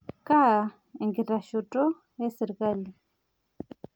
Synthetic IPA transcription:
ka˦˨ | iŋɡi˨ta˨ʃu˨tʼɔ˦ | jɛ˦sɛ˨ɾika˦li˨

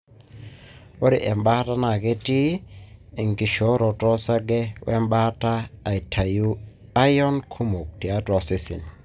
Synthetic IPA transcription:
wo˦ɾi˨ʔɛ˨mba˦ta˦na˨kɛ˦ti˦ | i˨ŋki˨ʃo˨˦ɾɔ˨tɔ˦sa˦ɡɛ˦wʔḛ˦mɓa˦taː˦˨i˨tʰa˨ju˦ | a˦jɔ˦nkʰu˦mu˨k̚ti˨a˦tɔ˨se˦sḭ˨n

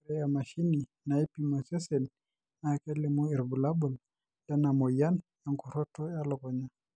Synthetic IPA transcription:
ɾɛ˦ja˨ma˨ʃi˦ni˨ | na˨i˦pima˨sɛ˦sɛ˨n | na˨kɛ˦lɛ˨mu˦ɛ˨ɾbu˨la˦bu˨l | da˦na˨mɔ˨ja˦nja˨ŋku˨ɾɔ˦tɔ˦ja˦lɔ˨kɔ˨ɲa˦

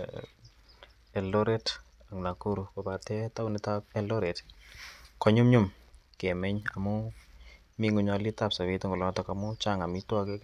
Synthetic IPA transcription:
ɛ˨lo˦ɾɛ˦t | a˨ŋna˨ku˦ɾu˨ko˨ba˨tɛ˦ta˦u˦ni˨˦ta˦pɛ˦lɔ˦ɾɛ˨t | kɔ˦ɲʊ˦mɲʊ˦mkɛ˨mɛ˦ɲa̰˨mʊ˦ | mi˦ŋu˨ɲa˨li˦ta˦˨psa˨wi˦tɔ˦ŋɡɔ˨lɔ˨˦tɔ˨ka˨mʊ˦t͡ʃa˦ŋa˨mi˦twa˦ke˦

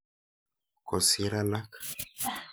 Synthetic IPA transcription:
kɔ˨si˦ɾa˦la˦k

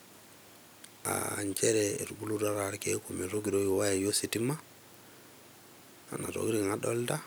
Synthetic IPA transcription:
a̰˨nt͡ʃe˦ɾe˨ɾɡu˦lu˦ɾa˦ɾa˨ɾkḛ˦ku˨me˨ɾo˦ɡi˨ɾo˦jo˨wa˦ja˨jo˦si˨ti˦ma˦ | a̰˨na̰˨ɾo̰˨ɡi˦ɾi˦˨ŋa˦ɗo̰˦lda˦

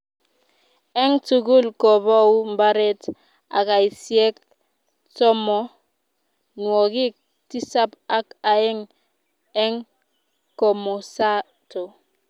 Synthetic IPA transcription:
e˦ŋtu˨ɡu˦lkɔ˨bɔ˦u˦mba˦ɾe˦t | a̰˨ka˨i˨si˦e˦k̚ | tɔ˦mɔ˦ | nwɔ˨ɡi˦k̚ | ti˦sa˦pa˦ka˨e˦ŋ | e˦ŋ | ko˨mo˨sa˦ | to˨

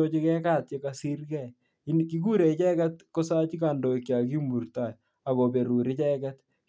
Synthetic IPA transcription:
o˦t͡ʃi˦kɛ˦ka˦˨t̪je˦ka˨si˦rkɛ˦˨ | i˦nki˦k̬u˦ɾe˨i˨t͡ʃɛ˦kɛ˦t̪ko˦sa˦t͡ʃi˦ka˨ndo˨kja˨ki˦mu˨rta˨j | a˨ko˨be˨ɾu˨ɾɪ˦t͡ʃɛ˦kɛ˦t̪

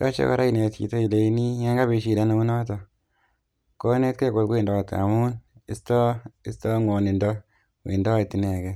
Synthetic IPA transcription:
ja̰˦t͡ʃḛ˦ka̰˦ɾa˦i˨ne˨tkḭ˨to˦i˨le˨i˦ni˦ŋe˦ŋɡa˦bi˨ʃi˨da˦no˦mu˦nɔ˦tɔ˨ | ko˦ne˦t̚ku˦e˨ɡo˨t̚ɡwe˦˨ndɔ˨ta̰˨mu˦ni˦stɔ˦i˦sto˦ŋo˨ni˨ndɔ˦ | wḭ˨ndɔ˦˨tːi˨ne˨ɡɛ˦

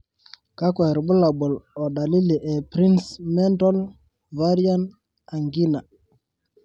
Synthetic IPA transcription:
ka˦kwɛ˨ɾbʊ˦la˨bɔ˨lɔ˨da˨li˦li˨ʔɛ˨pɾi˦nsmɛ˦ntɔ˦l | va˦ɾi˦a˦n | a˨ŋɡi˦na˨

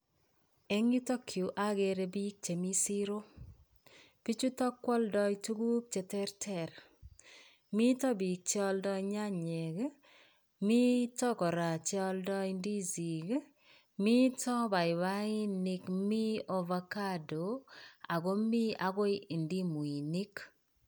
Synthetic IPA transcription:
e˦ŋi˦tɔ˦kʰju˨ʔa˦ɡe˨ɾe˨bi˦k̚t͡ʃe˨mi˦si˦ɾo˦ | pi˦t͡ʃu˦tɔ˦kːwɔ˦ldɔ˦jtu˦ɡu˦p̚t͡ʃe˨tɛ˦rtʰɛ˦˨ɾ | mi˦tɔ˦bi˨k̚t͡ʃɔ˦ldɔ˦iɲa˦ɲɛ˨ɡ | mi˦tɔ˦kɔ˨ɾa˨t͡ʃɔ˦ldɔ˦indi˦zi˨ɡ | mi˦tʰɔ˦ba˨ɪ˨βa˦i˦nikmi˦o˨va˦ka˦do˨a˨ɡo˦mi˦a˨ɡo˦ɪi˨ndi˦mu˨i˨ni˦k

